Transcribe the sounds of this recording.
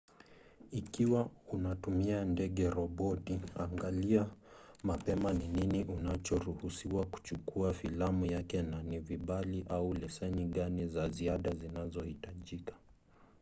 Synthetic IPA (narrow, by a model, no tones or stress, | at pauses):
ikiwaunatumiandɛɠɛɾɔɓɔtiaŋɡaliamapɛmanininiʔunat͡ʃɔɾuhusiwaku̥t͡ʃukuafilamujakɛnaniviɓaliʔaulɛsɛniɠanizaziaɗazinazɔhitaʄikḁ